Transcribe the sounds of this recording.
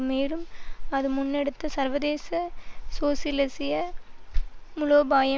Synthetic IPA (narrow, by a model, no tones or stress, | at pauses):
meːlɯmɐðɯmʊnːɛɽɯt̪ːɐsɐɾʋɐðeːsɐsoːsɪlɐsɪjɐ | mʊɭoːbaːjɐ